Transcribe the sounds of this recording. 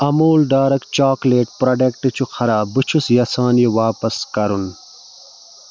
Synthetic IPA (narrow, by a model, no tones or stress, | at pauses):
ɐmuːlɖaːɾɐkt͡ɕaːkleːʈ̚pɾɐɖekʈɨt͡ɕʰuxʰɐɾaːbɨt͡ʃʰusjɐsaːnjiʋaːpɐskɐɾun